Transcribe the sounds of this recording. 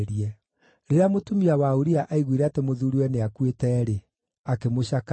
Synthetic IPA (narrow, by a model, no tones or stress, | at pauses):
ɾiɛ | ɾeɾeamotumiawaoɾiaʔaiɣwiɾɛatemoðuɾiwɛneakwetɛːɾe | akemoɕak